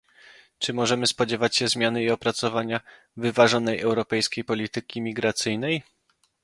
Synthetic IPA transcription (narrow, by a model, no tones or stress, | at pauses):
t͡ʂɘmɔʐɛmɘspɔd͡ʑɛvat͡ɕɕɛzmʲjanɘiɔpɾat̪sɔvaɲa | vɘvaʐɔnɛjɛwɾɔpɛjskʲejpɔlʲit̪ɘkʲimʲiɡɾat̪sɘjnɛj